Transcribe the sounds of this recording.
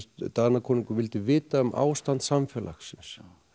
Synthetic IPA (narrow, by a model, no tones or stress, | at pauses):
t̪t̪aɾnakʰɔːnɪŋkʏvɪlt̪ɪvɪːt̪aʏmʔa̰ːwst̪ant̪samfjɛlʔa̰xsɪns